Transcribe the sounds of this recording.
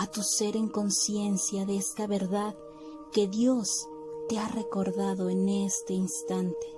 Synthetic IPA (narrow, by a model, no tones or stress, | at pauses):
at̪use̞ɾe̞ŋko̞nsje̞nsjaðe̞est̪aβe̞ɾðað | ke̞ðjo̞s | t̪e̞are̞ko̞ɾðaðo̞ene̞st̪e̞inst̪ant̪e̞̥